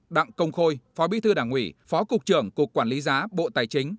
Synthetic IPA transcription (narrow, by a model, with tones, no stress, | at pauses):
ɗa̰˧˨ŋkə˧wŋ͡mxo˧jfɔ˨˦ɓḭ˧˥t̪ʰɨ˧ɗaː˧˩ŋwḭ˧˩fɔ˨˦kʊ˨˩k͡p̚t͡ɕɨ˧˩əŋkʊ˨˩əkːwaː˧˩nli˨˦zaː˨˦ɓo̰˧˨t̪aː˨˩jt͡ɕï˨˦ŋ̟